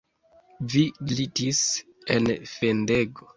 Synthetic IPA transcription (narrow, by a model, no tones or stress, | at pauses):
vilitis | ḛnfende̞ɡo